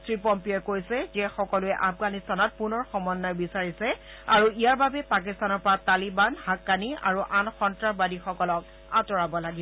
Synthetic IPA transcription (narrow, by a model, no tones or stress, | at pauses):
tɹipɔmpiɔkojsɛzɛxɔkɔlʊɛʔafɡanistanɔt̚punɔɹxɔmɔnːɔjbisaɹisɛ | aɹuijaɹbabɛpak̬istanɔɹpɔɹatalibanhakːania̰ɹuʔanxɔntɹabadixɔkɔlɔk | atɔɹabɔlaɡi